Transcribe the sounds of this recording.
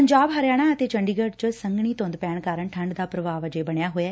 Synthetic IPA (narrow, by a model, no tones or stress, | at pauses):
əɲd͡ʒaːbɦəɾjaːɽ̃aːət̪eːt͡ʃəɳɖiːɡəɖt͡ʃəsəŋɡɳiːt̪õnd̪pɛːɳkaːɾəɳʈʰəɳɖd̪aːpɾəʋaːʋəd͡ʒeːbəɳjaːɦoːjaː